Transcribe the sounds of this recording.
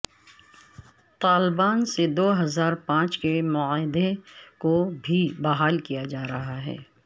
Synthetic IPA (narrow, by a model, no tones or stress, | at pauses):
t̪aːlbaːnsed̪oːɦɐzaːɾpãːt͡ʃkemʊaːɦɪd̪ekobʱibɐɦaːlkijad͡ʒaːɾɐɦaɦɛ̰ː